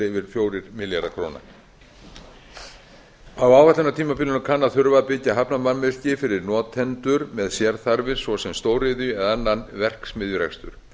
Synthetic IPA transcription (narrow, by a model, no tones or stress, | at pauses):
ɪvɪɾ̥fjoːwɾɪɾmɪljaɾðakʰɾoːna̰ | awaːwvaht̪ɛnat̪ʰiːmapɪlʏnakʰanːaθʏɾvaðpɪcːaɦapnamanmɪl̥cɪfɪɾɪɾnɔːt̪ʰɛnt̪ʏɾmɛðsjɛɾθaɾvɪɾ̥svɔsɛmst̪oːwɾɪðʏɛðanːanvɛr̥ksmɪðjʏɾɛ̰kst̪ʏ̰ɾ̥